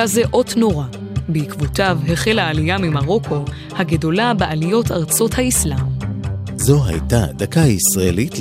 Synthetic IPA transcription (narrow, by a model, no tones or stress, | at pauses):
azeʔo̞tno̞ʁa | beikvotavheχe̞laːlijamimaʁo̞kʰo̞ | haɡedo̞labeʔalijo̞taʁt͡so̞thaislam | zo̞ɦa̰jtadakaisʁaḛlit